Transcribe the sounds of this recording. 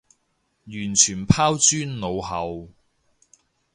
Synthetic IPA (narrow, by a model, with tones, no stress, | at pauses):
jyː˨˩nt͡ʃʰyː˨˩npʰaː˥wt͡ʃyː˥nno˨˧whɐ˨˧w